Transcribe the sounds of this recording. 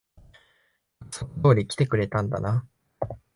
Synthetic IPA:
aksonot̪o̞ːɾʲikʲi̥t̪e̞kɯ̟ɾe̞t̪ãnd̪a̰na

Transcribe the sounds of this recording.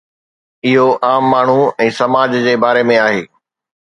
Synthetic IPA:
ɪɦoaːmːaːɳ̤uɛ̃ːsɐmaːd͡ʑd͡ʑeːbaːɾemẽaːɦeː

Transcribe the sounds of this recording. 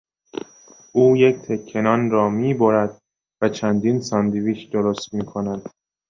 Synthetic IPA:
ʔuːjecʰt̪ʰe̞kʰːe̞nɒːnɾɒːmiːboɾæd̪̚ | væt͡ʃʰænd̪iːnsɒnd̪iviːkʰd̪oɾost̪miːkʰo̞næd̪̥

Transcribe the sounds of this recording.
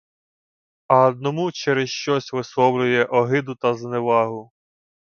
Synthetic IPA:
ɐɔd̪̚nɔmut͡ʃɛɾɪsʃt͡ʃɔsʲʋɪsˠɔwlʲʊjɛʔɔɦɪd̪ʊt̪ɐzneʋɑɦʊ

